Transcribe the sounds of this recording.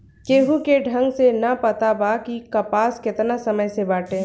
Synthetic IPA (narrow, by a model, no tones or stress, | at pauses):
keːɦukeɖʱə̃ŋɡsenɐpət̪abakikɐpaːskɪt̪nasəməjsebaːʈẽ